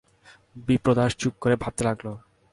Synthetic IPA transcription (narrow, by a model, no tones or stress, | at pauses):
bipɾod̪aʃt͡ɕuk̚kːoɾebʱab̚t̪elaɡlo